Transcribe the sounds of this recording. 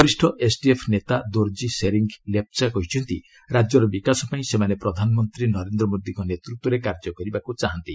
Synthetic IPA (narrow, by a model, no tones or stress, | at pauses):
ɔɾisʈʰɔʔesʈiepʰnet̪ad̪oɾd͡ʒiseɾiŋɡlep̚t͡ʃakɔɦit͡ʃʰɔnt̪i | ɾad͡ʒjɔɾɔbikasɔpaĩsemanepɾɔd̪ʱanɔmɔnt̪ɾinɔɾend̪ɾɔmod̪iŋkɔnet̪ɾut̪wɔɾekaɾd͡ʒɔkɔɾibakut͡ʃaɦant̪i